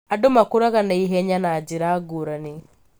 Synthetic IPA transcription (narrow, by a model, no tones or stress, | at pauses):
adomakuɾaɣanaiɦɛɲanaɟiɾaɡuɾani